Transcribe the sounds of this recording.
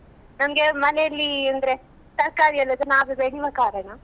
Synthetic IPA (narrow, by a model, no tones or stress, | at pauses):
nɐmɡemɐnejɐlːiɐnd̪ɐɾe | t̪ɐɾkaːɾiɐlːɐd̪unaːʋubeɽiʋakaːɾɐɳɐ